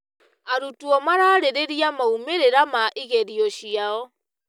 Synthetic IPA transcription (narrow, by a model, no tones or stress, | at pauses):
aɾutuɔmaɾaɾeɾeɾiamaumeɾeɾamaʔiɣeɾiɔɕiaɔ